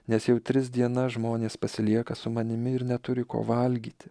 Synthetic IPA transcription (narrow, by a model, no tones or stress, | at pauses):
nʲɛsjɛʊt̪ʲɾʲɪzd̪ʲiɛnɐʒmoːnʲeːspɐsʲɪlʲiɛkɐsʊmɐnʲɪmʲɪɪɾnʲɛt̪ʊɾʲɪko̰ːʋɐlʲɡʲiːt̪ʲɪ̥